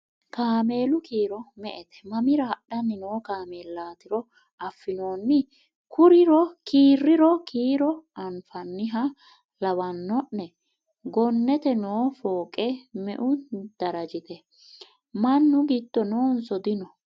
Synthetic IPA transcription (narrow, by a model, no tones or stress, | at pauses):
kaːme̞ːlʊkiːɾɔmɛʔɛt̪ɛ̥mɐmɪɾɐːɗːɐnːɪnoːkaːmeːlːaːt̪ɪɾɔ | ɐfːɪno̞ːnːɪ | kʰʊɾɪɾɔkiːrːɪɾɔkʰiːɾɔɐnfɐnːɪɦɐ | lɐwɐnːɔʔːɛ | ɡɔnːɛt̪ɛnoːfoːkʼɛmɛ̰ʔʊd̪̥ɐɾɐd͡ʒɪt̪ɛ | mɐnːʊɡit̪ːɔnoːnsɔd̪ɪnɔ